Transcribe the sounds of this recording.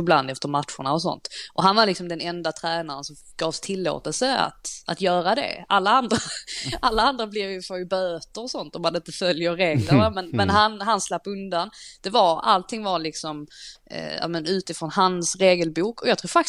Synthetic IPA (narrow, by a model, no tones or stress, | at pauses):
ɪbla̰nd̪ɛft̪əɾmat̪ɧʊ̰ɳaɔsɔ̰nt̪ʔɔɦanvaɾlɪksɔmd̪ɛnɛnd̪at̪ʰɾɛːnaɾənsɔm | ɡ̥ɑːvst̪ʰɪlːo̰ːt̪əlsəa̰t̪ʔat̪jœːɾad̪ɛ̰alːaand̪ɾaʔalːaand̪ɾablɪvjʉfœɾjbøːt̪əɾɔsɔnt̪ɔmːanɪnt̪əfœljəɾɾeːɡləɾamɛnmɛnɦanɦanslapːɵnd̪and̪̥ɛvaɾa̰lt̪ʰɪŋvaɾlɪksɔm̰ | ja̰ːmənʉ̟ːt̪ɪfɾɔnhansɾeːɡəlbuːkʰɔjɑɡt̪ʰɾuːfat